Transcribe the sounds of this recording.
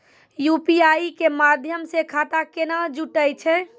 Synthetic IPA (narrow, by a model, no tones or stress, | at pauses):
jupiajikemad̪ʱjəmsekʰat̪akenad͡ʒuʈəjt͡ʃʰɛ